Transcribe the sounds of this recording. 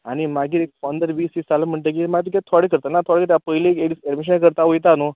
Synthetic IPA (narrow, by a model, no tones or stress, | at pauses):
aɽ̃imaɡiːek̚pənd̪əɾʋiːsissaləm̤əɳʈ̪lek̬imaɡt̪̬ikɛt̪ʰɔɽikəɾt̪anat̪ʰoɽkət̪japəɦileeɽiseɖmiɕ̬ənakəɾt̪aʋojt̪ano